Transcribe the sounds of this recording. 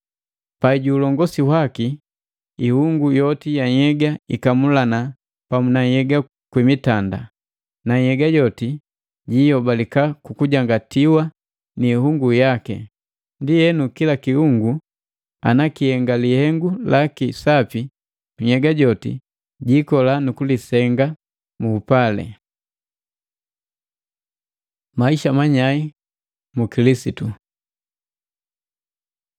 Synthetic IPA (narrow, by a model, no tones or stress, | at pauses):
paiɟuːlɔŋɡɔsihwaki | ihuŋɡujɔtijaɲɛɡaikamulana | pamunajɛɡa | kwimitanda̰ | naɲɛɡaɟɔti | ɟijɔbalikakukuɟaŋɡatiwa | niːhuŋɡujakɛ̰ | ndijɛnukilakihuŋɡu | a̰nakihɛŋɡalihɛŋɡulakisapi | tuɲɛɡaɟɔtḭ | ɟikɔlanukulisɛŋɡa | muːpalɛ̰ | maiʃamaɲai | mukilisitu